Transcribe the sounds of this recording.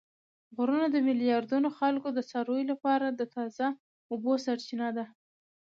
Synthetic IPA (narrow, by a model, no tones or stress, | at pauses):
ɣɾunad̪əmɪlijɑɾd̪unoxalkod̪əsɑɾojlapɑɾad̪ət̪ɑza | obosaɾt͡ʃinad̪a